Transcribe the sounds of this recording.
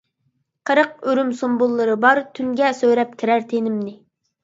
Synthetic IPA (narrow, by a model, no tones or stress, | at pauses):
qʰəɾəq̚øɾymsombulˠːɨɾɨbɑɾt̪ʰyŋɡʲɛsøwɾɛp̚kʲʰiɾæɾt̪ʰenɪmnɪ